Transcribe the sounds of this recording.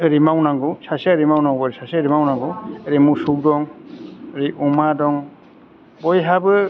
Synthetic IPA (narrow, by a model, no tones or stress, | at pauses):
ɯɾimawnaŋɡusasaɾimawnaŋɡɾisaseɾimawnaŋɡueɾimusukdɔŋ | ɾiʔumadɔŋ | bɔjɦabɯ